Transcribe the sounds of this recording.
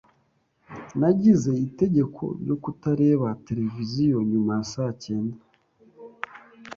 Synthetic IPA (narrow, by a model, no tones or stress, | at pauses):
naɟize̞ite̞ɟe̞kʰo̞̰ɾjo̞kutaɾe̞ːβate̞ɾe̞vizijo̞ɲumajasace̞ːnda